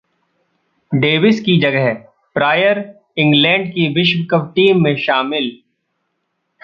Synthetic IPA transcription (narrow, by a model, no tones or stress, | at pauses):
ɖeːʋɪskid͡ʒɐɡəɦ | pɾaːjəɾ | ɪ̃ŋɡlɛ̃ːɳɖkiʋɪʃʋkəʋʈiːmːẽʃaːmɪl